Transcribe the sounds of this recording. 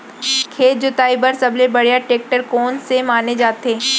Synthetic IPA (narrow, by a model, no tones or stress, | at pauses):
kʰeːt̪̚d͡ʒot̪aːibɐɾsɐblebɐɽjaʈeːk̚ʈəɾkoːnsemaːned͡ʒaːt̪eː